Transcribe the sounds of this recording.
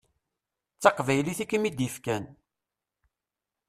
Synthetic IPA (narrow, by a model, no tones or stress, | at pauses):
t͡sːɑqvæjliθikːəmid̪jəfkæn